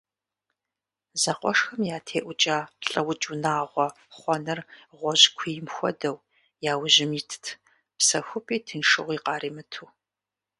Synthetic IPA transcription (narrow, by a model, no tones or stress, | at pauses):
zɐqʷɔʂxɐmjaːtʰeːʔʷʊt͡ʃʼaːɬʼɐwʊt͡ʃʼunaːʁʷɔ | χʷɔnɐrʁʷɔʑkʷʰiːjɪmxʷɔ̰dɐw | jaːwʑɪmiːtʰɨ̥tʰ | psɐxʷʊpʰʼiːtʰɨnʂɨʁʷiːqɑːɾiːmɨtʰuː